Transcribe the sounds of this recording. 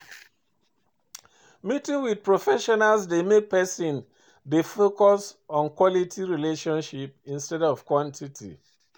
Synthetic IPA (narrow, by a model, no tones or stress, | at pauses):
mitĩŋwid̚pɹɔfɛʃɔnalsdemek̚pɛsĩn | defokɔsɔ̃nkwɔlitʰiɹileʃɔ̃nʃipĩnstɛdɔv̥kwɔ̃ntʰitʰḭ